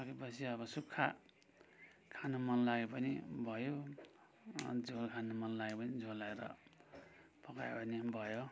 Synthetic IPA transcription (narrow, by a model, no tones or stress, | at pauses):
ʌkepʌsʰiʌbʌsukʰːa | kʰanomʌnlaɡepʌnibʱʌjo | d͡zokʰanomʌnlaɡepʌnid͡zʱolaeɾʌ̰ | pʌkajebʌnibʱʌjo